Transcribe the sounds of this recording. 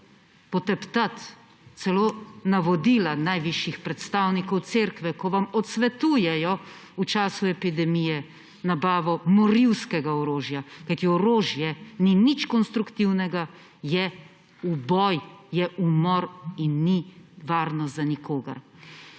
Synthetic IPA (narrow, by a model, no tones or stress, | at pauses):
pɔt̪ɛpt̪at̪ | t̪sɛloːnaʋɔd̪ilanajʋiʃjixpɾɛt̪st̪aːwnikɔwt̪seːɾkʋɛkɔʋamɔt̪sʋɛt̪uːjɛjɔ | ut͡ʃaːsuɛpid̪ɛmijɛ | nabaːʋɔmɔɾiwskɛɡaɔɾoːʒjakajt̪iɔɾoːʒjɛninit͡ʃkɔnst̪ɾukt̪iwnɛɡa | jɛ | ubɔjjɛʔumɔɾinːiʋaːɾnɔzanikoːɡa̰ɾ